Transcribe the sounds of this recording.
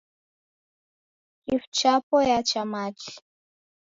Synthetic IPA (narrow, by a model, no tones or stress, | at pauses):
ift͡ʃapojat͡ʃamat͡ɬ